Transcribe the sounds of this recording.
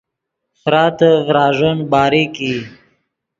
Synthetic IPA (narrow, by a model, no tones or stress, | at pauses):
fɾɑːt̪əvɾɑːʐənbɑːɾiki